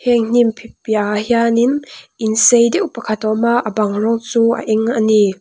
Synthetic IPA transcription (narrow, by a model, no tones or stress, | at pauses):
hɛŋn̥impʰip̚jahjaninʔinsejdɛwpɐkʰat̪ɔmaʔabaŋrɔŋt͡sua̰ʔɛŋani